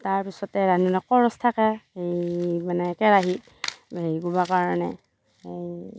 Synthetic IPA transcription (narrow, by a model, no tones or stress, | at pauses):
taɹpisɔtɛɹaninɔkɔɹɔstʰakɛejmanɛːkɛɹaɦi | eiɡubakaɹɔnɛ̰ | ej